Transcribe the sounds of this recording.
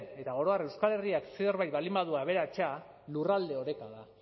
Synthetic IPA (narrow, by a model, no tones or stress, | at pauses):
ne̞t̪aɣ̞o̞ɾo̞are̞wskale̞riakseo̞ɾβajβalimbaðuaβ̞e̞ɾat͡ʃa | lurald̪e̞o̞ɾe̞kaða